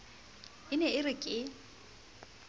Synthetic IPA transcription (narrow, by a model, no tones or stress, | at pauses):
ɪnɛɪrɪkʼɪ